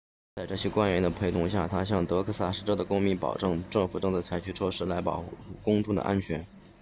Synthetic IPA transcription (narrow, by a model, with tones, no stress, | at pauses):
t͡sa˥˧ɪʈ͡ʂɤ˥˩ɕjɛ˥kwa˥nɥɛ˧˥nd̪ə˧pʰe˧˥ɪt̪ʰʊ˧˥ŋɕja˥˩t̪ʰa˥ɕ̬jɑ˥˩ŋt̪ɤ˧˥kʰɤ˥sa˥˩ʂɻ̩˥˧ʈ͡ʂɤ˥ʊd̪ə˩kʊ˥ŋmi˧˥npɑ̰˨˩ʊʈ͡ʂɤ˥˧ŋʈ͡ʂɤ˥˩ŋfu˨˩ʈ͡ʂɤ˥˧ŋt͡sa˥˩ɪt͡sʰa˧˥ɪt͡ɕʰy˥˩ʈ͡ʂʰwɔ˥ʂɻ̩˥˩la˧˥ɪpɑ̰˨˩ʊxu˥xu˥˩kʊ˥ŋʈ͡ʂu˥˩d̪ə̰˩ʔa̰˥nt͡ɕʰɥɛ˧˥n